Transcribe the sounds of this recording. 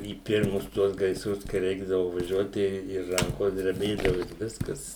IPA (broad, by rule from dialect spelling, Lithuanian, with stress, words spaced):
iː ˈpʲɪrmʊs ˈtuɔs ɡɐɪsˈrʊs kɐɪ ˈrʲɛɪɡdɐʋʊ ʋɐˈʒʲuɔt tɐɪ ɪ ˈrɐŋkoːs dʲrʲɛˈbʲeːdɐʋʊ ɪr ˈʋʲɪskɐs